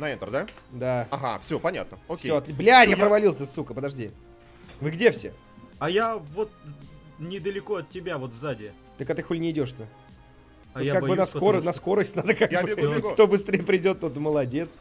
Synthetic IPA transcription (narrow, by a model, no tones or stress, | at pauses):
nɐint̪ərd̪ad̪aɐɦa̰fsʲopɐnʲa̰t̪̚nəoksʲeoɐt̪lʲblʲajapɾəvɐlʲilˠsʲəsukəpəd̪ɐʐdʲi | vɨɡdʲe̞fsʲḛ | ɐjavot̪̚ | nʲɪd̪əlʲɪkoɐt̪̚ʲːɪbʲavot̪vzadʲɪ | t̪əkat̪ɨxulʲnʲɪɪdʲo̞ʂt̪ | okaɡbɨnɐskoɾənɐsko̞ɾəsʲtʲnad̪əkakjabbʲɪɡkt̪o̞bɨst̪ɾʲejəpɾʲɪdʲo̞t̪ːot̪məlˠɐdʲe̞t̪s